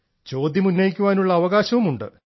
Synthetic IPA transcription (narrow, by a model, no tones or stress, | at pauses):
t͡ɕo̞ːd̪jɐmunːɐjikʲːuʋaːnuɭːɐːʋɐɣaːɕɐʋumuɳɖɨ̰